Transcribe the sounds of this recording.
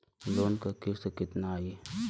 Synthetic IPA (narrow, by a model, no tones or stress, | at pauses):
loːnkakisekɪt̪naje